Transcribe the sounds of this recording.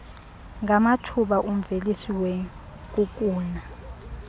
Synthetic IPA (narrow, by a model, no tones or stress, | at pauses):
ŋɡamatʰuɓaʔum̩velisiwɛ | k̬ʼuk̬ʼuːna